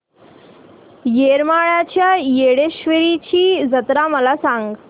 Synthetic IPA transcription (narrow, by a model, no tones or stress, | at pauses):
jeɾmaɭat͡ɕjajeɽeɕʋəɾit͡ɕiːd͡zət̪ɾaməlasaŋɡ